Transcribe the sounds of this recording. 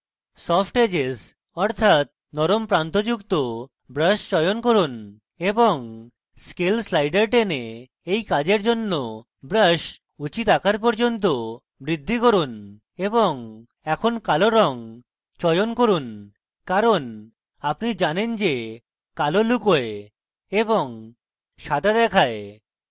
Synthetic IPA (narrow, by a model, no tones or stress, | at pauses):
sɔpʰʈed͡ʑes | ɔɾt̪ʰat̪̚ | nɔɾompɾant̪od͡ʑukt̪o | bɾəʃt͡ɕɔjonkoɾun | eboŋ | skelslajɖeɾʈene | ejkad͡ʑeɾd͡ʑonːo | bɾəʃ | ut͡ɕit̪akʰaɾp̬ɔɾd͡ʑont̪̬o | bɾid̪ʱːikoɾun | eboŋ | ɛkʰonkaloɾɔŋ | t͡ɕɔjonkoɾun | kaɾon | apnid͡ʑanend͡ʑe | kalolukoe | eboŋ | ʃad̪ʱad̪ɛkʰae